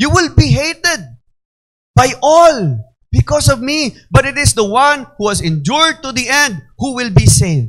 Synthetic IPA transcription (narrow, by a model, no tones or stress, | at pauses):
juwɪlbiɦeɪt̪ɛd̪̚ | b̥ajʔɔl | b̥ɪkɔsɔvmibɐt̪ɪt̪ɪsd̪əwãnhuɛsɪ̃nd͡ʒuɹd̪̚t̪uðiʔɛ̃nd̪̚huwɪlbisẽn